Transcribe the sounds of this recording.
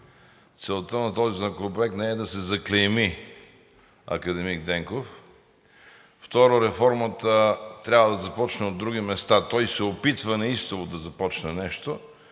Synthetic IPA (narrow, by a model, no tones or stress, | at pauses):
t̪sɛlˠt̪ənɐt̪ɔzinakoopɾoɛk̚t̪nɛɛd̪ɐsɛzɐklɛmi | ɐ̰kɐd̪ɛmiɡ̚d̪ɛŋkof | ft̪ɔɾoɾɛfɔɾmət̪ət̪ɾʲavɐd̪ɐzɐpɔt͡ʃnɛod̪ːɾuɡ̟imɛst̪at̪ɔjsɛopit̪vənɐist̪ovod̪ɐzɐpɔt͡ʃnɛnɛʃt̪o